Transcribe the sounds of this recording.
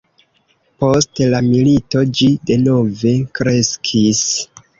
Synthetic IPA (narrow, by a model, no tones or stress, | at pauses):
po̞stlamilito̞d͡ʒide̞no̞ve̞kɾe̞skʰis